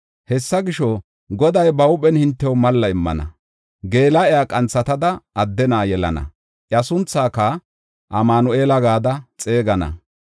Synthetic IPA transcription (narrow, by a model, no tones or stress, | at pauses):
hɛsːɐɡɪʃɔ | ɡɔd̪ɐjbɐʊpʼɛnhɪnt̪ːɛwmɐlːɐɪmːɐ̰nɐ̰ | ɡe̞ːlɐɛjaːkʼɐnt͡sːɐt̪ɐd̪ɐʔːd̪ːɛnaːjɛlɐ̰nɐ̰ | ʔjɐsʊnt͡sːaːkːa | ʔɐmaːnɔeːlɐɡaːd̪ɐt͡sʼe̞ːɡɐnɐ̰